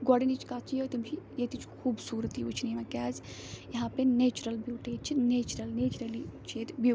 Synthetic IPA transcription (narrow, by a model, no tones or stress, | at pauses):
ɡɔɖenit͡ʃʰkat͡ʃijot̪imt͡ʃʰijet̪it͡ʃʰkʰuːbsuːɾət̪iut͡ʃʰnimãkʲaːzjɐɦãːpeneːt͡ʃuɾɐlbuːʈet͡ʃʰineːt͡ʃɾɐlneːt͡ʃɾɐlit͡ʃʰeːt̪bi